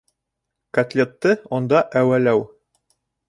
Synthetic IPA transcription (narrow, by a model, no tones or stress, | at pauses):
kɐt̪lʲet̪ːɤŏnd̪ɑʔæwælæw